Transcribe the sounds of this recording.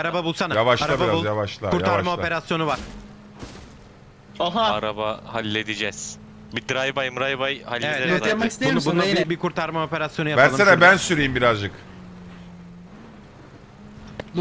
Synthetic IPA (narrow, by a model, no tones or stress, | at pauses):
aɾababulˠsanajavaʃlaabaabulˠjavaʃlˠakuɾt̪ʰaɾmao̞pe̞ɾasjo̞nuvaɾ̥ | aɦaaɾabahalʲːed̪id͡ʒɛz̥ | bid̪ɾajbajɯmɾajbajhalʲːevɛt̪eamakist̪eonbunaibikʰuɾt̪ʰaɾmao̞pe̞ɾasjonujavæɾaɯenabænsyɾejimbiɾazd͡ʒɯk